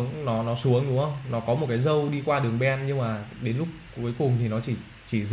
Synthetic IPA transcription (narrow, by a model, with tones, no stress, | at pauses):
ŋnɔ˨˦nɔ˨˦su˨˦əŋɗʊ̰˨˧˦ə˧wŋ͡mnɔ˨˦kɔ˨˦mo˨˩kaː˨˦jzə˧wɗi˧kwaː˧ɗɨ˨˩əŋɓɛ˧nɲɨ˧ŋmaː˨˩ɗe˨˦nlʊ˦˥k͡p̚ku˧˨˦jkʊ˨˩ŋ͡mt̪ʰi˨˩nɔ˨˦t͡ɕi˧˩ | t͡ɕi˧˩